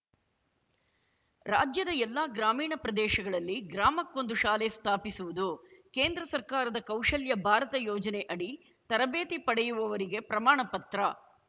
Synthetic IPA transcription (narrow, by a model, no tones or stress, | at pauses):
ɾa̰ːd͡ʒjɐd̪ɐɛlːaːɡɾaːmiːɳɐpɾɐd̪ɛːʃɐɡɐɭɐlːiɡɾaːmɐkːond̪uʃaːlest̪ʰaːpisuʋud̪ukeːnd̪ɾɐsɐɾkaːɾɐd̪ɐkɐwʂɐljɐbʱaːɾɐt̪ɐjɔːd͡ʒɐneʔɐɽi | t̪ɐɾɐbeːt̪ipɐɽɛjuʋɐʋɐɾiɡe̞pɾɐmaːɳɐpɐt̪ɾɐ